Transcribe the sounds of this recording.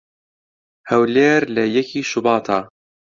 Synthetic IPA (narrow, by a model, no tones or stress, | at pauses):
hɐwleːɾlɐjɛkʰiːʃubɑːt̪ʰɑː